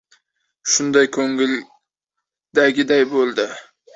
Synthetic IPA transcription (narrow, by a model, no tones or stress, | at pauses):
ʃʊnd̪ajkʰɵŋɪl | d̪aɡʲɪd̪ajbolˠd̪ɪ